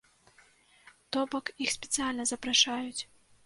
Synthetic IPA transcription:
t̪ɔbɐkixsʲpʲɛt̪sɨjalʲnɐzɐpɾaʂajut͡sʲ

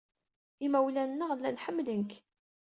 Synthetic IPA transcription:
imæwlænːəʁlːænħəmːlənk

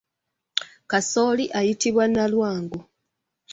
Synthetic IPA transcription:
kaso̞ːliʔajitiβwanalwaːŋɡo

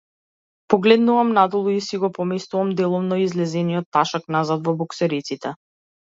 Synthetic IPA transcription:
pɔɡlɛd̪nuvamnad̪ɔlˠuisiɡɔpɔmɛst̪uvamd̪ɛlˠɔvnɔizlɛzɛnijɔt̪ːaʃaknazad̪vɔbɔksɛɾit̪sit̪ɛ

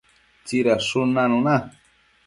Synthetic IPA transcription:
t͡siɾaʂunanuna

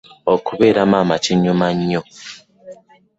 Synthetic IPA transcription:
okuβeːɾamaːmat͡ʃiɲːumaɲːo

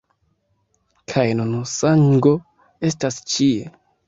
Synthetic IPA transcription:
kʰajnunusaŋɡo̞ | e̞stast͡ʃie

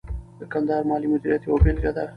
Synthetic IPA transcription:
d̪̥əkand̪ɑːɾmɑːlimʊd̪iɾijat̪eobelɡad̪a

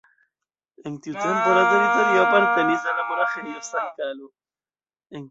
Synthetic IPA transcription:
ent̪jut̪jempolat̪erit̪oɾiapaɾt̪eniθalamoɾaxenosaŋkalo | eŋ

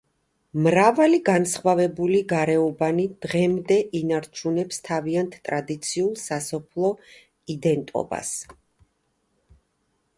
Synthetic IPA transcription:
mɾavaliɡansχwavɛbuliɡaɾɛɔbanid̪̥ʁɛmd̪ɛʔinaɾt͡ʃʰunɛpst̪ʰaviant̪ʰt̪ʼɾad̪it̪sʰiulˠsasɔpʰlˠɔ | id̪ɛnt̪ʼɔ̰ba̰s

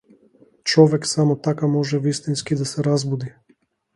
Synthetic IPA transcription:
t͡ʃɔvɛksamɔt̪akamɔʒɛvist̪inskid̪asɛɾazbud̪i

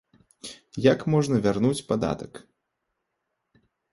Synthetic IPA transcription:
jakmɔʐnɐvʲarnut͡sʲpad̪a̰t̪ɐk

